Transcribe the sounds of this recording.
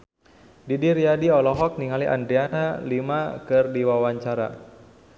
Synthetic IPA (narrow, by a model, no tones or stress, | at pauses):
didiɾjadiɔlɔɦɔk̚niŋaliʔa̰ndɾianalimakɨrdiwawaɲt͡ʃaɾa̰